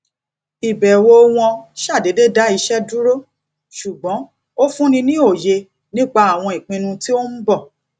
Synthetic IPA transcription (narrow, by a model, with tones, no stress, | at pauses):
i˨bɛ˨wo˧w̃ɔ̃˧ʃa˦˨de˨˦de˦˨da˦i˧ʃɛ˦du˦ɾo˦ | ʃu˨ɡ͡bɔ̃˨˦ | o˦fũ˦nĩ˧nĩ˦o˦˨je˧ | nĩ˦k͡pa˧a˨w̃ɔ̃˧i˨k͡pĩ˧nũ˧ti˦o˦m̩˦bɔ˦˨